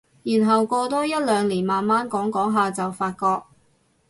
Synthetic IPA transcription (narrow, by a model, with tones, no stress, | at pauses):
jiː˨˩nɦɐ˨wkɔː˧t̪ɔː˥jɐ˥t̚lœː˨˧ŋliː˨˩nmaː˨nmaː˥nkɔː˨˥ŋkɔː˨˥ŋɦaː˨˧t͡sɐ˨wfaː˧t̚kɔː˧k̚